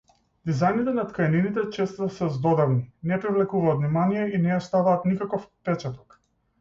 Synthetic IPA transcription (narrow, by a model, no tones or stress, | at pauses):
d̪izajnit̪ɛnat̪kajninit̪ɛt͡ʃɛst̪sɛzd̪ɔd̪avninɛpɾivlɛkuvaːt̪vnimanijɛinɛjast̪avaːt̪nikakɔfpɛt͡ʃɛt̪ɔ̥k